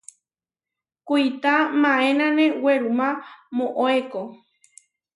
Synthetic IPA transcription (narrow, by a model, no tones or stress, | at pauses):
kujt̪amãẽnãnẽweɾumãmõʔoeko